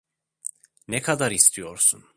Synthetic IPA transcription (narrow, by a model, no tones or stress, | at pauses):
nɛkʰad̪aɾist̪ʰijo̞ɾsun